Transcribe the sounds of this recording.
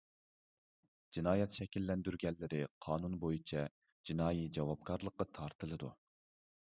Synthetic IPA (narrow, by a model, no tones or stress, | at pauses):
d͡ʒinɑːjɛt̪ʃɛkʲilːɛnd̪yɾɡʲɛlːɪɾɪqʰɑːnunbojit͡ʃʰɛ | d͡ʒinɑːjid͡ʒɑwɑp̚kʰɑɾlˠəqːɑt̪ʰɑɾt̪ʰɨlˠɨd̪ṵ